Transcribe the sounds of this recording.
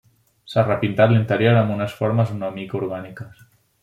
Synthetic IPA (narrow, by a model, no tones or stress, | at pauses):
sarəpint̪at̪lint̪əɾjoɾambunəsfoɾməzunɔmikuɾɣanikəs